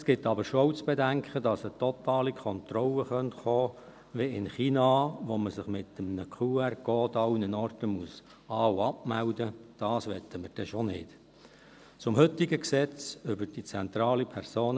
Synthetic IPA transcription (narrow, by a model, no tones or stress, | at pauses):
sɡ̥ɪtːɑbəʃoɔt͡sb̥edæŋkχədɑsət̪ɔt̪ɑːlikʰɔnt̪rɔləχœntχɔː | ʋiɪnχiːnɑʋoməsɪχmɪt̪əmnəkʰuːɛrkɔːtɑwnənɔrtəmus | ɑːwɑpmældəd̥ɑːsʋɛt̪ʰəməɾd̥ɛʃonɪːt | t͡sʊmhʏt̪ːɪɡəksɛt͡sʏbəɾd̥it͡sɛnt̪ɾɑːlipʰɛɾsoːn